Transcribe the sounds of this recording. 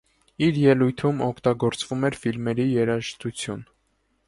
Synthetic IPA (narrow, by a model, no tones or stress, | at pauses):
iɾjɛlujt̪ʰumɔkʰt̪ɑɡɔɾt͡svumɛɾfilmɛɾijɛɾɑʃt̪ut͡sʰjun